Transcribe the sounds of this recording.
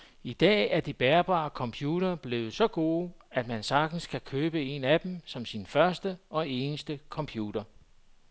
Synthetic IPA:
id̥ɛ̰ːæɐd̥ib̥æːɐb̥ɑ̰̈ːkʰɒ̽mpʰjuːɾ̥ɐb̥le̝ːʊð̩ˠsɒ̽ɡ̥o̝ːæd̥mænsɑ̈ɡ̥d̥n̩skʰækʰøːb̥əe̝̰næd̥em̩sɒ̽msinfɶɐsd̥əɒ̽e̝ːnəsd̥əkʰɒ̽mpʰjṵːd̥ɐ

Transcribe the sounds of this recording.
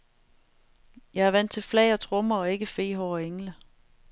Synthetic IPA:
jɑ̈ɪæɐʋæn̰d̥t͡sʰe̝lflɛɪɒt͡sʰʁɔmɐɒ̽e̝ɡ̥əfe̝̰ːɦɒʊɒeŋlə

